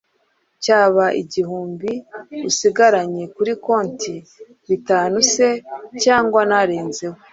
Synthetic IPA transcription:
caːβaʔḭɟihuːmbiusiɡaɾaɲe̞kuɾiko̞ːnti | βitaːnuse̞caːŋɡwanaɾeːnze̞ho

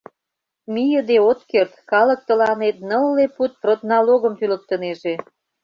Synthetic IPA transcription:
mijəd̪eot̪kert̪kɑlə̆k̚t̪ə̆lɑnet̪nə̆lːeput̪̚prot̪nɑloɣə̆mt̪ylə̆k̚t̪əneʒe

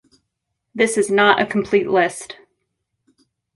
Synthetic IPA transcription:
ðɪsɨznəɾʔɨ̰kʰm̩pʰl̥itˡlɪst

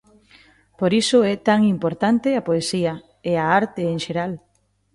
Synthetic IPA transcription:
poɾisʊɛt̪aŋimpoɾt̪ant̪eapoesia | eaaɾt̪eːŋʃeɾal

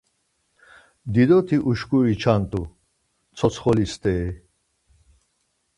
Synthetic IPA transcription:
d̪id̪ɔt̪ʰiʔuʃkuɾit͡ʃʰant̪ʼu | t͡sʰɔt͡sʰχɔlist̪ʼɛː

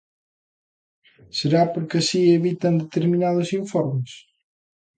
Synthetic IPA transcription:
seɾapoɾkɪɐsieβit̪ɐnd̪et̪eɾminaðʊsĩɱfɔɾmes

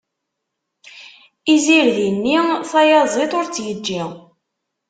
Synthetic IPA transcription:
iziɾðənːiθɑjɑzˤet̪ˤoɾt͡sːjəd͡ʒːi

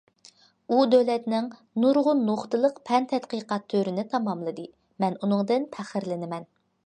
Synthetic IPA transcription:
ud̪ølɛt̪nɪŋ | nuɾʁʊnːoχt̪ɨlˠəqpʰɛnt̪ʰɛt̪qəqɑt̪ʰːøɾɪnɪt̪ʰɑmɑmlˠɨd̪ɨ | mɛnunɨŋd̪ɨnpʰæχəɾlɪnɪmɛn

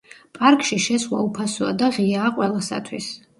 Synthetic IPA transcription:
pʼaɾkʼʃiʃɛswa̰upʰasua̰d̪aʁiaːqʼwɛlˠasa̰t̪ʰwḭs

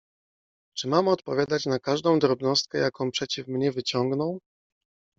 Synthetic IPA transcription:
t͡ʂɘmamɔt̪pɔvʲjad̪at͡ɕnakaʐd̪ɔ̃w̃d̪ɾɔbnɔst̪̚kɛjakɔ̃w̃pʂɛt͡ɕifmɲɛvɘt͡ɕɔŋɡnɔw

